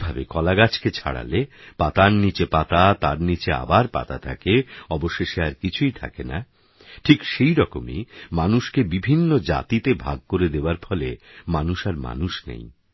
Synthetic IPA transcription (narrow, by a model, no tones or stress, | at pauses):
bʱabekɔlaɡat͡ɕʰket͡ɕʰa̰ɽa̰lepat̪aɾnit͡ɕepat̪at̪aɾnit͡ɕea̰baɾpa̰t̪at̪ʰakeɔboʃeʃeaɾkit͡ɕʰujt̪ʰa̰kena | ʈʰikʃejɾɔkomḭmanuʃkebibʱinːod͡ʑa̰t̪it̪ebʱa̰ɡ̚koɾed̪eoaɾfɔlemanuʃaɾma̰nuʃnḛj